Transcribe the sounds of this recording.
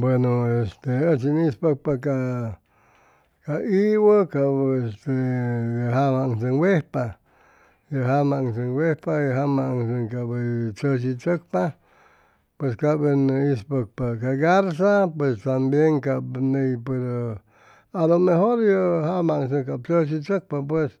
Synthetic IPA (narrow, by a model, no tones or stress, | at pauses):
bwenoest̪eət͡ʃinispək̚paka | kaiwəkabest̪ejəɦamaŋsəŋwehpa | jəɦamaŋsəŋwehpajəɦamaʔŋsəŋkabət͡ʃəs̬it͡ʃək̚pa | pweskabeneispək̚pakaɡaɾs̬apwest̪ambjeŋkabnejpeɾo | alomeɦoɾjəhamaŋs̬əkab̚t͡ʃət͡ʃ̬it͡ʃək̚pap̬wes